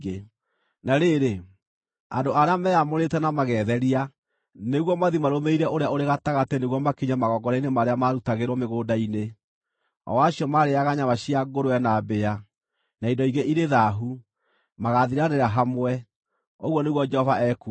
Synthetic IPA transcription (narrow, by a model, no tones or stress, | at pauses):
ɣe | naɾeɾe | a̰ndoʔaɾeamɛamoɾetɛnamaɣɛðɛɾia | neɣwɔmaðimaɾomeiɾɛoɾeaoɾeɣataɣatɛneɣwɔmakiɲamaɣɔɡɔɾainemaɾeamaɾutaɣeɾwɔmeɣoːdaine | ɔ̰waɕiɔmaɾeaɣaɲamaɕiaɡoɾoɛnabea | naidɔiɣeʔiɾeðaɦu | maɣaðiɾaneɾaɦamwɛ | oɣwɔneɣwɔd͡ʒɛhɔvaɛku